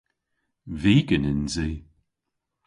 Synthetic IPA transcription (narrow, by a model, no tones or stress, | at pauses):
viːɡənɪnziː